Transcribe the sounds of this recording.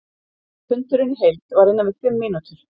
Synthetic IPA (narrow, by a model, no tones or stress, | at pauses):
pʰʏnt̪ʏɾɪnɦejlt̪vaɾhɪnːavɪt̪ʏmːiːnut̪ʏɾ̥